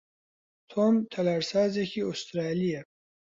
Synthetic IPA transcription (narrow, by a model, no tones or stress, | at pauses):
t̪ʰomt̪ʰɐlaɾsaːzekiost̪ɾaːlija